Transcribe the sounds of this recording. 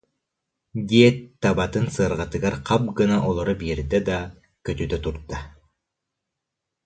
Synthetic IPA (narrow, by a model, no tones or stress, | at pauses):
d̪iɛt̪ːabat̪ɯnsɯɾʁat̪ɯɡaɾqʰɑp̚ɡɯnaʔɔlˠɔɾɔbiːɾd̪ɛd̪ɑ | køt̪yd̪œt̪uɾt̪ːa